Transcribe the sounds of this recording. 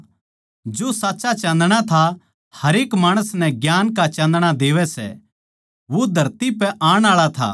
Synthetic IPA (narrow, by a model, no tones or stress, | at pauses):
d͡ʒosaːtːt͡ʃat͡ʃãnd̪ɽ̃at̪ʰa | hɐɾeːkmaːɽ̃əsnɛ̃ɡjaːnkat͡ʃɐ̃ːnd̪ɽ̃ad̪eːʋɛsɛ̰ | ʋod̪ʱɐɾt̪ipɛʔaːɽ̃aːɭat̪ʰa̰ː